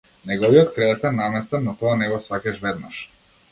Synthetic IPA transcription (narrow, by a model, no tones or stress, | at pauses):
nɛɡɔviɔt̪kɾɛɛt̪ɛnnːamɛst̪anɔt̪ɔanɛɡɔsakɛʃvɛd̪na̰ʃ